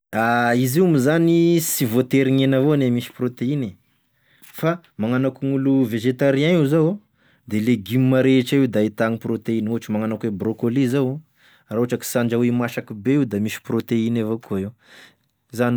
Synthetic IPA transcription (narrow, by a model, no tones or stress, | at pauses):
aizimizanisivot̪eɾiɲenavonemisi̥prot̪eine | fa | maŋanakuŋuluveʒet̪aɾiaizaw | d̪eleɡimimaɾeʈ͡ʂaiwd̪ait̪aŋiprot̪einuaʈ͡ʂimaŋanakwebrokolizaw | rauʈ͡ʂaki̥saɳd͡ʒawimaʃakubeiwd̪amisi̥prot̪einevokuaiw | zan